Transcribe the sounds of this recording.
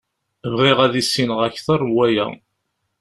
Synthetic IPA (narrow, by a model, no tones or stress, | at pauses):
vʁiʁæðisːinəʁæçθərˤwæjæ̰